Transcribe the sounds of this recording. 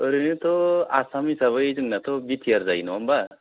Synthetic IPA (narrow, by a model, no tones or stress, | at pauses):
əɾɯnɯt̪ɔasamisaβɯjzɯŋnat̪ɔbit̪ʰijaɾzajnɔamba